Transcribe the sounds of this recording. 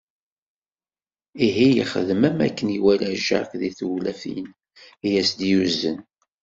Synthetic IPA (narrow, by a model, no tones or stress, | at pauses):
iɦijəχəðmæmækːəniwælæʒa̰ɾkðiθulæfḭn | jæsd̪juzə̰n